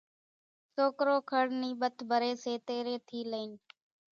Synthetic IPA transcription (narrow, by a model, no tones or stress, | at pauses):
soːkɾoːkʰəɽniːɓət̪ʰbʱəɾeːseːt̪eːɾeːt̪ʰiːləiːn